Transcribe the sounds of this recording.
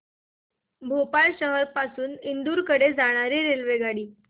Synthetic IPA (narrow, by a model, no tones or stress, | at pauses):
bʱopaɭɕəɦəɾpasuːnind̪uːɾkəɽed͡zaɽ̃aɾiːɾelʋeɡaɽiː